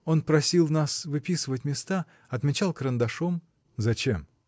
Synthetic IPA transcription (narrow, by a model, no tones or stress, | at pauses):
o̞npɾɐsʲilˠnasvɨpʲisɨvətʲmʲɪst̪a | ɐt̪mʲɪt͡ɕalˠkɾənd̪ɐʂom | zɐt͡ɕḛm